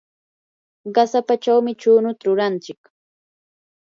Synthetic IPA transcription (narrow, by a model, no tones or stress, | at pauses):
ɢɑsapat͡ʃawmɪt͡ʃʊːnʊt̪aɾʊɾant͡ʃɪk